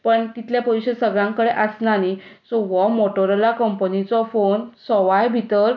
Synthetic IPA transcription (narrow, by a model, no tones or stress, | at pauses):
pəɳt̪it̪ʰljapɔjɕəsəɡɭãŋkəɽeʔəsnanisɔʋɔmoʈəɾlakəmpənit͡sɔfonsɔʋajbʱit̪əɾ